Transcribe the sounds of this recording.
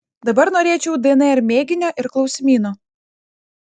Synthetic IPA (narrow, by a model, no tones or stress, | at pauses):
d̪ɐbɐɾnoːɾʲeːt͡ʃʲɛʊd̪ɛɛnɛɛɾmʲeːɡʲɪnʲoːʔɪɾklˠɒʊsʲɪmʲiːnoː